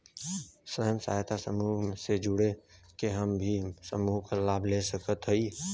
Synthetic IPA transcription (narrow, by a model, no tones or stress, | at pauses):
səɦəmsa̰jt̪ʰasəmuːsed͡ʒʊɽekeɦəmbʱisəmuːɦkalaːbʱlesəkət̪ɦəi